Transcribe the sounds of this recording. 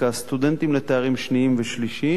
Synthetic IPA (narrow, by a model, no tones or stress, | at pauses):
ast̪ud̪ent̪imlet̪eaʁimʃniimveʃliʃi